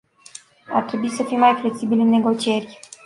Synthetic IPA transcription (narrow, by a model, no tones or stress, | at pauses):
a̰rt̪ɾe̞buisəfimːajfle̞ksibilʲɨnːe̞ɡo̞t͡ʃie̞rʲ